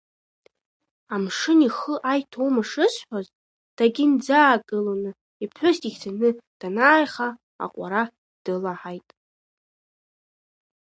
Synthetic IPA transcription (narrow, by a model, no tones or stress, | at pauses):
amʂɨniχəʔajtʰowmaʂɨsħʷᶣazʼ | d̥aɡʲɪnd͡zaːɡɨlonɨ | ipʰħʷʊstʼiɡʲtʰanɨd̥anaːjχa | a̰qʷʼa̰ɾa | d̥ɨlaħajtʼ